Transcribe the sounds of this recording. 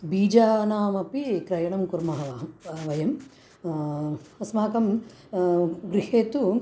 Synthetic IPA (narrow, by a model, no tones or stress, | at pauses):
biːd͡ʒaːnaːmɐpikɾɐjɐɳɐmkuɾmɐɦɐʋaːʋɐjɐm | ɐsmaːkɐm | ɡɾiɦeːt̪u